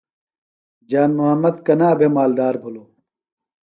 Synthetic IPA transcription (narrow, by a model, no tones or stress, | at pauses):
d͡ʑaːnmuɦɐmːɐd̪kɐnaːbʱemaːld̪aːɾbʱuloː